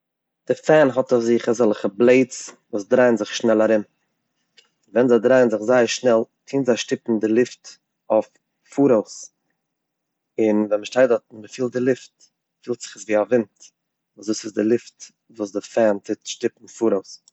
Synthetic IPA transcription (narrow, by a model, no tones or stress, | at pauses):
d̥ɪfɛnɦɔtɔfzɪχazɔlˠχəblˠeɪt͡svuːsdɾaɪənzɪχʃnɛlˠaɾɪm | vɛnzaɪdɾaɪənzɪχzaɪəɾʃnɛlˠtʰiːnzaʃtɪpn̩dɪlˠɪft | ɔf | fuːɾoʊs | ɪnvɛnməʃtaɪdɔt̩məfiːlˠt̚dɪlˠɪft | fiːlˠtz̥ɪ̥χəsviːavɪnt | uːsduːsɪsdɪlˠɪft | vuːsdɪfɛntʰɪtʃtɪpn̩fuːɾoʊs